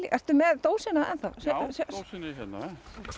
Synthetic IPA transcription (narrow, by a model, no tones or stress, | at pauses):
liʔɛr̥t̪ʏmɛðt̪oːwsɪnaɛ̰nθa̰wsɛshɛa